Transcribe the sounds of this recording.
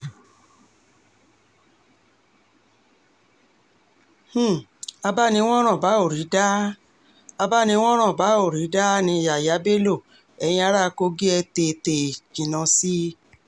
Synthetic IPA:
h̩˦˨a˧ba˦nĩ˧w̃ɔ̃˦ɾ̃ã˦˨ba˨˦o˦˨ɾi˨˦da˦ | a˧ba˦nĩ˧w̃ɔ̃˦ɾ̃ã˦˨ba˨˦o˦˨ɾi˨˦da˦nĩ˧˨ja˨ja˨˦be˦lo˦˨ | ɛ˧j̃ĩ˧a˧˦ɾa˦˧ko˧ɡi˦ɛ˧te˧˨te˨kĩ˨nã˧si˦

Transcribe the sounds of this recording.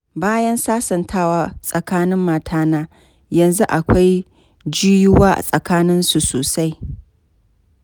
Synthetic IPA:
baː˦jɐ˦nsaː˦sɐ˨ntʰaː˦˨waː˨sʼɐ˨kaː˦nɪ˦mːaː˨tʰaː˦naː˦ | jɐ˨nzu˦ʔa˨kʷa˦j | d͡ʒiː˦jɪ˦waː˦ʔa̰˨sʼɐ˨kaː˦nɪ˦nsu˨soː˨sa˦j

